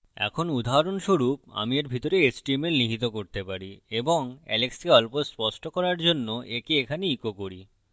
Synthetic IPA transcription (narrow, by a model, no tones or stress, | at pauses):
ɛ̰kʰonud̪ʱaɾonʃoɾup̚a̰mieɾbʱit̪oɾeesʈiemeɾniɦit̪okoɾt̪epaɾieboŋɛ̰lekskeɔlpospɔʃʈokɔɾaɾd͡ʑonːoʔekeekʰaneikokoɾi